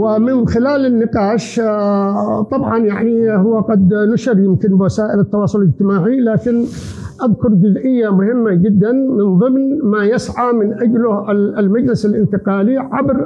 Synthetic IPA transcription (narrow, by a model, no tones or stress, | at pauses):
wɪmɪnxɪlaːlɪnːɪqɑːʃ | t̪ˤɑbʕɑnjaʕnihʊwːaqad̪naʃɪɾjɪmkɪnbwasaːʔɪlɪt̪ːɑwɑːsˤʊlɪd͡ʒt̪ɪmaːʕilaːkɪn | ʔaðkʊɾˤd͡ʒʊzʔɪjːamʊhɪmːad͡ʒɪd̪ːanmɪnðˤɨmnmajɪsʕamɪnʔad͡ʒlʊlmad͡ʒlɪsalʔɪnt̪ɪqɑːliʕabɾ